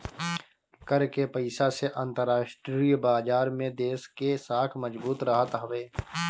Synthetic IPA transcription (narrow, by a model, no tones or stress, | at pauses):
kɐɾkepɐɪsaseʔãnt̪əɾːaːʃʈɾiːbaːd͡ʒaːɾmẽd̪eːskesaːk̪ʰmɐd͡ʒbuːt̪ɾɐɦət̪ɦɐʋeː